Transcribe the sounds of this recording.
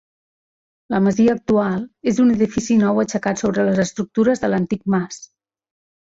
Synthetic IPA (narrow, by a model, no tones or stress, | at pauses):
ləməziəːk̚t̪ualˠezunəðifisinɔwət͡ʃəkat̪soβɾələzəst̪ɾuk̚t̪uɾəzðələnt̪ik̚mas